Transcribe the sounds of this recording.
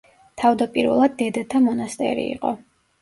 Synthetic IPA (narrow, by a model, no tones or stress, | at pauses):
t̪ʰavd̪apʼiɾvɛ̰lˠad̪̚ːɛd̪at̪ʰamɔnast̪ʼɛ̰ɾḭiqʼɔ̰